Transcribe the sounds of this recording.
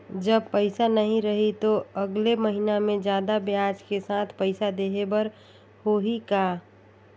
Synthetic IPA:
d͡ʒəb̚pəɪsanəɦĩɾəɦit̪oəɡleməɦinamẽd͡ʒjaːd̪abjaːd͡ʒkesaːt̪ʰpəɪsad̪eːɦebəɾ | hoɦikaː

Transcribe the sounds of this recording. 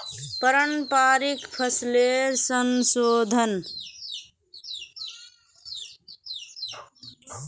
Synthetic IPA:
pəɾənpaːɾikpʰəsleɾsənsoːd̪ʱən

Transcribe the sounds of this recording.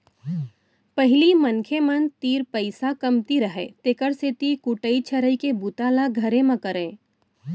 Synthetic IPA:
pəɦɪlimɐnkʰemənt̪iːɾpəɪsakɐmt̪iɾəɦḛːt̪eːkəɾset̪ikʊʈəit͡ʃʰɐɾəikebut̪aːlaɡʱɐɾẽmɐ̃kəɾẽː

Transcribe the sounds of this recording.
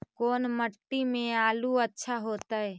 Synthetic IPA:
koːnməʈːimẽaːluətːʃʰaɦoːt̪aɦɛː

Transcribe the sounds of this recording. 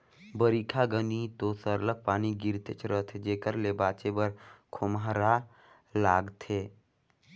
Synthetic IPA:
bəɾiːkʰaɡənit̪osəɾlək̚paːniɡɪɾt̪et͡ʃʰɾət̪ʰed͡ʒeːkəɾlebaːt͡ʃebəɾkʰʊmɦɾa | laːɡt̪ʰeː

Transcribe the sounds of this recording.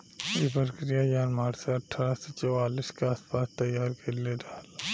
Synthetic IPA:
ɪbəɾkɾijajaːnmaːɾseɐʈʰaːɾaset͡ʃɐaːlɪskeaːspaːst̪ɐjaːɾkeledaːl

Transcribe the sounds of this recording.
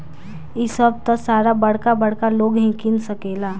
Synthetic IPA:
ɪsəb̚t̪ɔsaːɾabɐɽ̤kabɐɽkaloːɡɦĩkɪnsəkeːlaː

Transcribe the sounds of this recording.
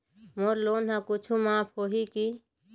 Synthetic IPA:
moːɾloːnɦãkʊt͡ʃʰumãːpʰɦoːɦiki

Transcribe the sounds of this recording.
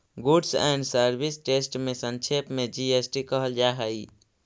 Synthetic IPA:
ɡuɖsɛ̰ɳɖsəɾbʱisʈesʈmẽsənt͡ʃʰepmẽd͡ʒiesʈikəɦəld͡ʒaɦəi

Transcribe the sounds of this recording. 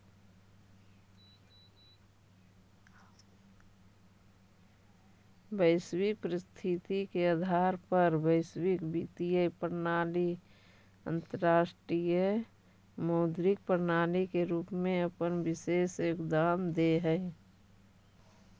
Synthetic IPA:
bəɪswɪk̚pɾɪst̪ʰit̪ikead̪ʱaːɾpəɾbəɪswɪkbit̪ijəpəɾnaːli | ə̰̃nt̪əɾaːsʈɾijə | moːd̪ɾɪk̚pəɾnaːlikeɾuːpmẽəpənbɪseːsjokd̪aːmd̪eɦəɪ

